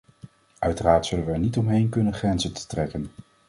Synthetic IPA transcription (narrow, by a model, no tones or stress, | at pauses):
ʔœɥtəraːɹtsɵlənʋəɛɹnitɔmɦejnkɵnənχrɛnzətə̥trɛkən